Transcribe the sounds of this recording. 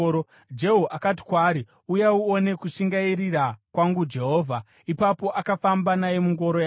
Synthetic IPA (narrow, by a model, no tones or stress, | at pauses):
d͡ʒe̞ɦuʔakati̥kwaːɾi | ujauone̞kuʂiŋɡaiɾirakwaŋɡud͡ʒe̞ɦo̞ːvʱa | ipapo̞ʔakafambanaje̞muŋɡo̞ɾoja